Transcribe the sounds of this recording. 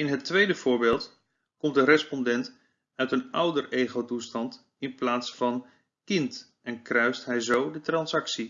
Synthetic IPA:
ɪnɦətʋejdəv̥ʊːɹbeːlˠt | kɔmt̚dərɛspɔndɛnt | œɥtənʌwdərejχotustɑnt | ɪnplaːtsfɑn | kɪnt | ɛnkrœɥstɦɛjzowdətrɑnsɑksi

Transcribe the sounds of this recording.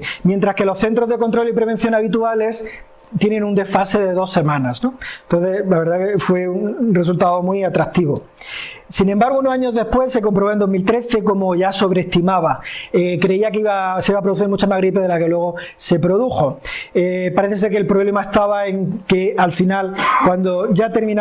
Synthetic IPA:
mjent̪ɾaske̞lo̞sθe̞nt̪ɾo̞zðe̞ko̞nt̪ɾo̞lipɾe̞β̞e̞n̟θjo̞naβ̞it̪uale̞s | t̪jenẽnũnd̪e̞fase̞ðe̞ðo̞se̞mãnasnont̪o̞nθe̞slaβe̞ɾðakefwe̞unre̞s̬ult̪aðomwiat̪ɾakt̪iβo̞ | sinẽmbaɾɣ̞ounosaɲo̞zðe̞spwe̞se̞k̬ompɾoβoend̪o̞zmilt̪ɾe̞θe̞ko̞moʝaso̞βɾest̪imaβaekɾe̞iakiβaseiβapɾouθ̬iɾmut͡ʃamazɣɾipe̞ðe̞lake̞lwe̞ɣ̞o̞ | se̞pɾo̞ðuxo̞epaɾeθe̞se̞ɾkelpɾo̞βle̞mae̞st̪aβae̞ŋke̞alfinalkwand̪oʝat̪e̞ɾmĩn

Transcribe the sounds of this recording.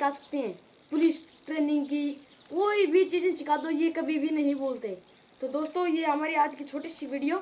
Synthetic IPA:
kaːsə̥k̚t̪eɦɛ̃ː | pʊlɪsʈɾeːnɪ̃ŋɡki | koːibʱit͡ʃiːzẽʃɪkʰaːd̪ojekɐbʱibʱinɐɦĩboːlt̪e | t̪od̪oːst̪õjeɦɐmaːɾiaːd͡ʒkit͡ʃʰoːʈesiʋiːɖijoː

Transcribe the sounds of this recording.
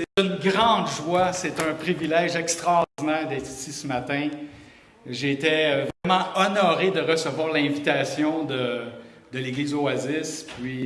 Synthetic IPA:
set̪ynɡʁɑ̃d̪ʒwaset̪œ̃pʁivilɛʒɛkst̪ʁaːʁd̪inɛːʁd̪ɛːt̪χisisəmat̪ɛ̃ | ʒet̪ɛvʁɛmɑ̃ɔnɔʁed̪əʁəsəvwaːʁlɛ̃vit̪asjɔ̃d̪ə | d̪əleɡliːzoazɪspɥi

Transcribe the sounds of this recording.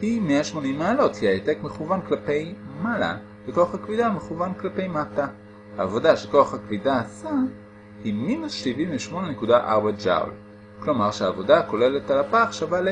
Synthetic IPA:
himeaʃmo̞nimːaːlo̞thiajete̞kme̞χuvanklape̞jmala̰ | veko̞aχakvidameχuvanklape̞jmata | haːvo̞daʃeko̞aχhakvidaːsa | himinusʃʃiviɱveʃmo̞nene̞kudaʔaʁbed͡ʒa̰w̰l | klo̞maʁʃeaːvo̞dako̞le̞le̞talapaχʃavale

